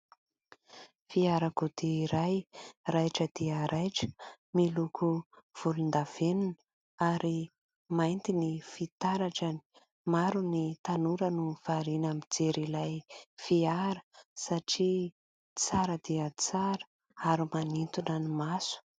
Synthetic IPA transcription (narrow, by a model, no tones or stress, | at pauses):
fiaɾakud̪iɾajrajʈ͡ʂəd̪iəɾajʈ͡ʂə̥ | milukʰuv̥ulund̪av̥enunə | aɾi | majnt̪inifit̪aɾaʈ͡ʂani̥ | maɾunit̪anuɾənuv̥aɾinamid͡zeɾilajfiaɾə̥saʈ͡ʂi | t͡saɾəd̪iət͡saɾə̥ | aɾimanint̪unanimasu̥